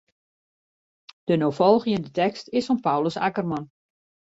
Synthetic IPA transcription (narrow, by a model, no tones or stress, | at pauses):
d̥ənofɔlˠɣiɪndətɛkstɪsɔnpawləsa̰kərmɔn